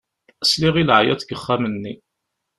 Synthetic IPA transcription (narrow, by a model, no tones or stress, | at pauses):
əsliʁilʕjæ̰θɡəχːamənːi